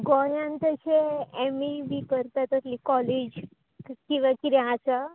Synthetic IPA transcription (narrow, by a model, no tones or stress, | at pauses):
ɡɔjãnt̪əɕeemibʱikəɾt̪at̪ət̪likɔled͡ʑ | kĩʋakiɾɛat͡sa